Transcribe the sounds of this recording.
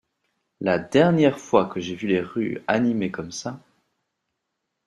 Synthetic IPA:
lad̪ɛʁnjɛʁfwakəʒevyleʁyanimekɔmsa

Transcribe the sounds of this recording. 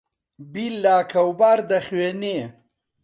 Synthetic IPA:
bilːaːkʰɐwbaːɾd̪ɐxweneː

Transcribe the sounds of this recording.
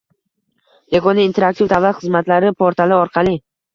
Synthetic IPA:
jaɡɒnaint̪ʰe̞ɾak̚t̪ʰivt̪ʰavat̪χɨzmat̪laɾɪpʰoɾt̪ʰalɪɒɾqʰɑlˠɪ

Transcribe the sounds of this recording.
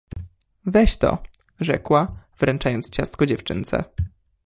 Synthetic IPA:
vɛɕt̪ɔ̰ | ʐɛkwav̥ɾɛnt͡ʂajɔnt̪st͡ɕast̪̚kɔd͡ʑɛft͡ʂɘ̰nt̪sɛ̰

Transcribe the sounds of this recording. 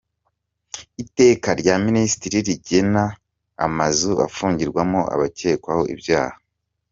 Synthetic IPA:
ite̞ːkaɾɟaminisi̥tiɾiɾiɟena̰ː | mazua̰fuːɲɟiɾɡwamoʔa̰βace̞ːkwaho̞ʔḭbɟa̰ːha

